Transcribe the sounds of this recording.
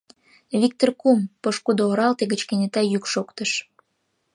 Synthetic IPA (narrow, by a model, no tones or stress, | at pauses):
βik̚t̪orkumpoʃkud̪ooɾɑlt̪eɣət͡ɕkenʲet̪ɑjykʃokt̪əʃ